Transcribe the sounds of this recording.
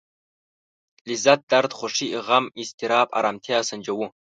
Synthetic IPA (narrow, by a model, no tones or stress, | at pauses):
lizat̚d̪aɾd̪χʷʊʂiiʁamist̪ʰiɾaːpʼa̰ɾamt̪ʰiaːsɨnd͡ʒɐwʊ